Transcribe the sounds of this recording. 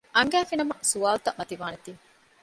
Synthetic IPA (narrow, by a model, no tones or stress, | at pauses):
ʔɐŋɡæːfinɐmɐsuaːlt̪ɐmɐt̪iʋaːnet̪iː